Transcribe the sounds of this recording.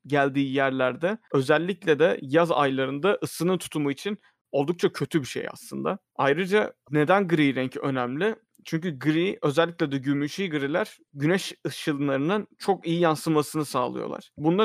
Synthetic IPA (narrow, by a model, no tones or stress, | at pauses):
ɟælʲd̪iːjæɾlʲæɾd̪ɛø̞zælʲːiclʲɛd̪ɛ̰jaza̰jlˠaɾɯnd̪aʔɯsɯnɯnt̪ʰu̥t̪ʰumuit͡ʃʰin | o̞lˠd̪uk̚t͡ʃʰacʰø̞t̪ʰybiʃḛja̰slˠɯnd̪a̰ | ajɾɯd͡ʒane̞d̪ænɡɯɾijɾɛɲcʰø̞næmlʲɪ | t͡ʃʰyɲcyɡɯɾiʔø̞zɛlʲːiclʲɛd̪ɛɟymyʃijɡɯɾilʲæɾ̥ | ɟynɛʃɯʃɯlˠɯnˠaɾɯnɯnt͡ʃʰo̞kijijansɯmasɯnɯsaːlˠɯ̰jo̰a̰ɾ̥bunlˠa